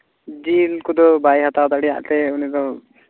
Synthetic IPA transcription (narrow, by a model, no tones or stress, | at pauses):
d͡ʒilkud̪ɔbajɦat̪awd̪aɽija̰ʔt̪ɛuniɡɔ